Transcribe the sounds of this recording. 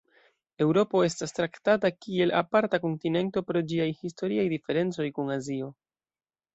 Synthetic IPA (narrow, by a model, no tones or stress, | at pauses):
e̞wɾo̞po̞e̞stastɾaktatakie̞la̰paɾtako̞ntine̞nto̞pɾo̞d͡ʒiajhisto̞ɾiajdife̞ɾe̞nt͡so̞jkunazio̞